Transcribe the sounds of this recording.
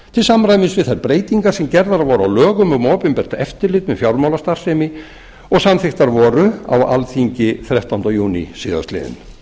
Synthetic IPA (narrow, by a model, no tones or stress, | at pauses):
t̪ʰɪlsamɾraːjmɪsvɪðθajɾpɾeːjt̪iŋkaɾ̥sɛmcɛɾðaɾvɔɾawlœːɣʏmɔɣmɔːpʏmpɛr̥t̪aɛft̪ɪɾlɪt̪mɛðfjawɾmawlast̪ar̥seːmɪ | ɔɣsamθɪxt̪aɾvɔːɾʏa̰wa̰lθiɲcɪθɾjɛwht̪awnt̪ajuːnḭsɪːða̰st̪lɪ̰ːðɪ̰n